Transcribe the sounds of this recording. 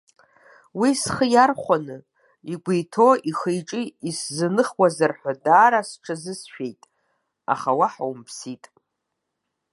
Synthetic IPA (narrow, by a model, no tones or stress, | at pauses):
wisχəjarχʷanɨ | iɡʷejtʰoʔiχejʈ͡ʂʼiiszɨnɨχwazarħʷᶣadaːɾasʈ͡ʂʰazɨsʃᶣe̞jtʼ | a̰χawaħa̰wmpʰsitʼ